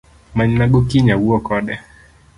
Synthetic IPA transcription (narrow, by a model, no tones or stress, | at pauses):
maɲinaɡɔkiɲawuɔkɔɗɛ